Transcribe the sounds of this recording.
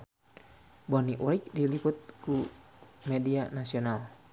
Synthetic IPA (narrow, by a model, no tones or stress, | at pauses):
bɔniʔuɾik̚dilipʊt̪̚kumɛdianasional